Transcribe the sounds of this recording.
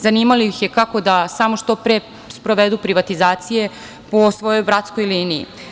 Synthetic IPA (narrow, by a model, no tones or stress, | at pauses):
zaniːmaliixjekako̞d̪asamo̞ʃt̪opɾe | spɾo̞ʋed̪upɾiʋat̪izaːt̪sije̞ | po̞sʋo̞jo̞jbɾat̪sko̞jliːniḭ